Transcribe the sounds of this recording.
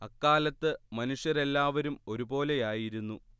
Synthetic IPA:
ɐkːaːlɐt̪ːɨmɐnuʂjɐɾe̞lːaːʋɐɾumo̞ɾubo̞ːle̞jaːjiɾunːu

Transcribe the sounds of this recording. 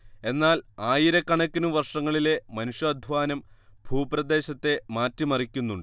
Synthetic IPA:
e̞nːaːlaːjiɾɐkːɐɳɐkʲːɐnuʋɐrʂɐŋːɐɭile̞mɐnuɕjɐɐd̪ʱʋaːnɐmbʱuːprɐd̪e̞ːɕɐt̪ːe̞maːtːimɐrikʲːunːuɳɖ

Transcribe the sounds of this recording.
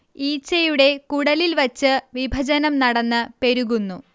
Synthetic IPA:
iːt͡ɕːɐjuɽe̞kuɽɐlilʋɐt͡ɕːɨʋibʱɐd͡ʑɐnɐmnɐɽɐnːɨpe̞ɾuɣunːu

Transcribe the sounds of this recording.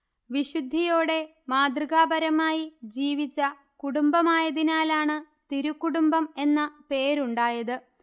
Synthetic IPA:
ʋiɕud̪ʱːijoːɽe̞ | maːd̪rɨɣaːbɐɾɐmaːjid͡ʑiːʋit͡ɕːɐ | kuɽumbɐmaːjɐðinaːlaːɳɨ | t̪iɾukːuɽumbɐme̞nːɐpe̞ːɾuɳɖaːjɐðɨ

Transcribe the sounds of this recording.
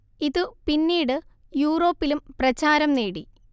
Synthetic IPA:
iðɨpinːiːɽɨ | juːro̞ːpːilumprɐt͡ɕaːɾɐmneːɽi

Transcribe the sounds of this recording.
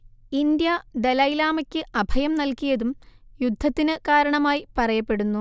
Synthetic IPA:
ind̪jɐd̪elɐjlaːmɐkʲːɨʔɐbʱɐjɐmnɐlkijɐðumjud̪ʱːɐt̪ːinɨkaːɾɐɳɐmaːjipɐrɐjɐpːe̞ɽunːu

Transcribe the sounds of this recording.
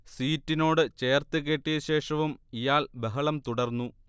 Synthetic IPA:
siːtːino̞ːɽɨt͡ɕe̞ːrt̪ɨɣeːʈːijɐɕe̞ːʂɐʋumijaːlbɐɦɐɭɐmt̪uɽɐrnːu

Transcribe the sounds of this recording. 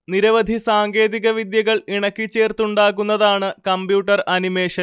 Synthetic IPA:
niɾɐʋɐd̪ʱisaːŋɡe̞ːðiɣɐʋid̪jɐɣɐɭiɳɐkːit͡ɕːe̞ːrt̪uɳɖaːɣunːɐðaːɳɨkɐmbjuːʈːɐrɐnime̞ːʂɐ

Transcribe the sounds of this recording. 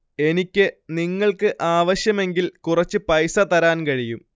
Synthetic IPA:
e̞nikʲːɨniŋːɐɭkɨʔaːʋɐɕjɐme̞ŋɡilkurɐt͡ɕːɨpɐjsɐt̪ɐɾaːnkɐɻijum

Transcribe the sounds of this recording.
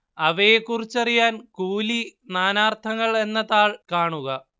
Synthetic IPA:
ɐʋejekːurit͡ɕːɐrijaːnkuːlinaːnaːrt̪ʰɐŋːɐɭe̞nːɐðaːɭkaːɳuɣɐ

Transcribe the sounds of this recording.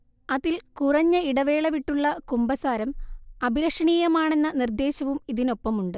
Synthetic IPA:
ɐðilkurɐɲːɐiɽɐʋe̞ːɭɐʋiʈːuɭːɐkumbɐsaːɾɐmɐbʱiɾɐkʂɐɳiːjɐmaːɳe̞nːɐnird̪e̞ːɕɐʋumiðino̞pːɐmuɳɖɨ

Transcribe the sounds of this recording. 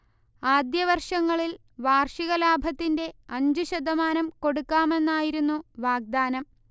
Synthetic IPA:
aːd̪jɐʋɐrʂɐŋːɐɭil | ʋaːrʂiɣɐlaːbʱɐt̪ːinde̞ɐɲd͡ʑuɕɐd̪ɐmaːnɐmko̞ɽukːaːme̞nːaːjiɾunːuʋaːɡ̚d̪aːnɐm

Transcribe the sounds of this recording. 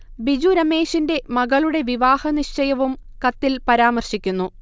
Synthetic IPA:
bid͡ʑuɾɐme̞ːʂinde̞mɐɣɐɭuɽe̞ʋiʋaːhɐniʂt͡ɕɐjɐʋum | kɐt̪ːilpɐɾaːmɐrɕikʲːunːu

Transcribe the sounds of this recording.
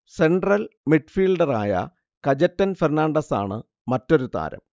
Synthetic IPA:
se̞ɳɖrɐlmiʈfiːlɖɐraːjɐ̰ | kɐd͡ʑɐtːɐnfernaːɳɖɐsa̰ːɳɨ | mɐtːo̞ɾut̪a̰ːɾɐ̰m

